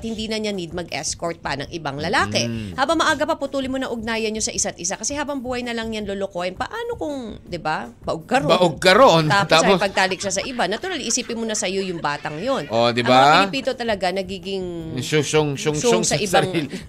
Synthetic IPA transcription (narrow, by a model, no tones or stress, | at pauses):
t̪̚hɪnd̪iːnɐɲanid̪̚mɐɡʔɛ̰skoɹt̪̚pɐnɐŋʔɪbaŋlɐlaːkɛhaːbɐŋmɐʔaːɡɐpɐpʊt̪uːlɪmonɐʔʊɡ̚naːjɐnɲosɐʔɪsat̪ʔɪsakɐsɛhaːbɐŋbuːhɐjnɐlɐŋjanlolokohɛnpɐʔaːno̞kʊŋd̪ɪbabɐʔoɡ̚kɐɾɐʔoɡ̚kɐɾont̪aːpt̪aopɐɡ̚t̪aːlɪk̚ʃasɐʔɪbanɐt̪ʊɾalʔɪsiːpɪnmonɐsɐjo̞jʊŋbaːt̪ɐŋjonʔod̪ɪbaɪlɪpiːd̪ot̪ɐlɐɡanɐɡiːɡɪŋsʊsoŋsoŋsʊoŋsɐʔɪbaɾŋi